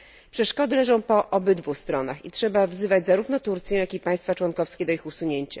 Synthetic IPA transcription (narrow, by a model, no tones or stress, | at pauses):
pʂɛʂkɔd̪ɘlɛʐɔ̃w̃pɔʔɔbɘd̪vuxst̪ɾɔnaxitʂɛbavzɘvad͡ʑzaɾuvn̪ɔt̪uɾt̪sʲjɛ̃jakʲipaj̃st̪fat͡ʂwɔnkɔfskʲɛd̪ɔixusuɲeɲt͡ɕa